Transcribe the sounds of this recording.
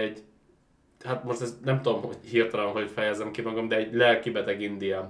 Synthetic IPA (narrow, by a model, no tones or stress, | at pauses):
ɛɟ | hat̪mo̞ʃt̪ɛsnɛmt̪ud̪omho̞ɟhirt̪ɒlɒnɦocfɛjɛzɛmkimɒɡɒmd̪ɛːɟlɛlkibɛt̪ɛɡind̪ijam